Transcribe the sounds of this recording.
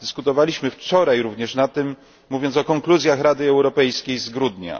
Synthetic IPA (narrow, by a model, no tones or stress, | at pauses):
d̪ɘskut̪ɔvalʲiɕmɘft͡ʂɔɾajɾuvɲɛʂnat̪ːɘmː | uvʲjɔnt̪sɔkɔŋkluzʲjaxɾad̪ɘɛwɾɔpɛjskʲejzɡɾud̪ɲa̰